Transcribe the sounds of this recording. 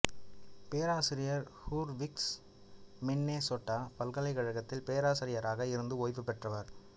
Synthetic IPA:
peːɾaːsɪɾɪjɐɾhuːɾʋɪks | mɛnːeːsoːʈːaːpɐlɣɐlɐɪɣɐɻɐɣɐt̪ːɪlpeːɾaːsɪɾɪjɐɾaːɣɐɪɾɯnd̪ɯoːjpːɯpːɛʈrɐʋɐɾ

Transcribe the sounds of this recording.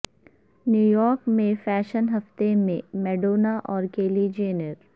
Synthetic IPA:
njuːjɔːɾkmẽfɛːʃənɦɐft̪emẽmɛːɖoːnaʔɔːɾkeːlid͡ʒeːnəɾ

